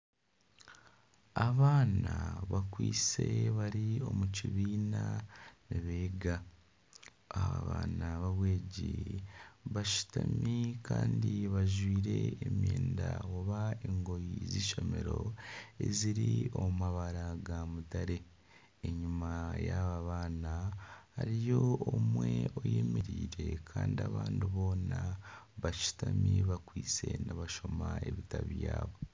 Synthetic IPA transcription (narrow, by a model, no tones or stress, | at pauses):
aβaːnaβakwiːseβaɾio̞muciβiːnaniβeːɡa | aaβaːnaβaβwe̞ːɟi | βaʃu̥tamikʰaːndiβaʒwiːɾe̞emjeːndawoβaeŋɡo̞jiziːʃo̞me̞ɾo̞e̞ziɾioumaβaɾaɡamutaɾe̞ | eɲumajaβaβaːnahaɾijo̞oːmwe̞oje̞meɾiːɾe̞kʰaːndiaβaːndiβo̞ːna | βaʃu̥tamiβakwiːt͡se̞naβaʃo̞mae̞βitaβijaːβo̞